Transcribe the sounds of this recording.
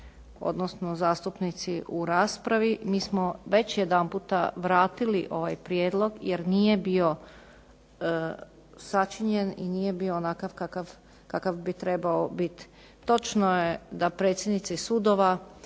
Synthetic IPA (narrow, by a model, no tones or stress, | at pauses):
o̰d̪nosnozaːst̪upnit̪siʔuɾaːspɾaʋimiːsmoʋe̞t͡ɕjed̪ampuːt̪a̰ʋɾaːt̪iliʔo̞ʋajpɾjeːd̪lˠo̞ɡjeɾniːje̞bio̞ | sat͡ʃiɲenḭniːje̞bionakaʋkakaʋ | kakaʋbit̪ɾe̞baobit̪i̥ | t̪o̞t͡ʃnojed̪apɾe̞ːt̪sʲjed̪nit̪sisud̪oʋa